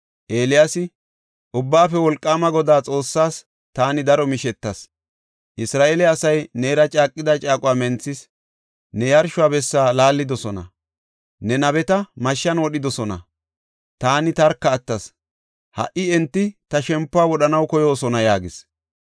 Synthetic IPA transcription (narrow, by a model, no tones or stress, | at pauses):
ʔe̞ːlɪjasɪ | ʔʊbːaːfɛwɔlkʼːaːmɐɡɔd̪aːt͡sʼo̞ːsːaːs | t̪aːnɪd̪ɐɾɔmɪʃɛt̪ːɐs | ʔɪsɾaːʔeːlɛɐsɐjneːɾɐt͡ʃʼaːkʼːɪd̪ɐt͡ʃʼaːkʼʊwaːmɛnt͡sːɪs | nɛjɐɾʃʊaːbɛsːaːlaːlːɪd̪ɔsɔnɐ̰ | nɛnɐβɛt̪ɐmɐʃːɐnwɔɗɪd̪ɔsɔnɐ̰ | t̪aːnɪt̪ɐɾkːɐːt̪ːɐs | hɐ̰ʔɪɛnt̪ːɪt̪ɐʃɛmpːʊaːwɔɗɐnɐwkɔjo̞ːsɔnɐjaːɡɪs